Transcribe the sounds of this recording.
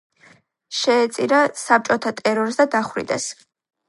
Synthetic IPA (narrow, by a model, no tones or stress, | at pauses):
ʃɛːt̪sʼiɾasap̚t͡ʃʼɔt̪ʰat̪ʼɛɾɔɾsd̪ad̪aχɾḭd̪ɛs